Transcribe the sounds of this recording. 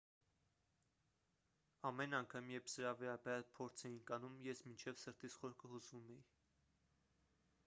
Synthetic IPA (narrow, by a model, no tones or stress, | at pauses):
ɑmɛnɑŋkʰɑmjɛɾpʰsəɾɑvɛɾɑbɛɾɑlpʰɔɾt͡sʰɛjinkɑnumjɛsmint͡ʃʰɛvsəɾt̪isχɔɾkʰəhusvumɛji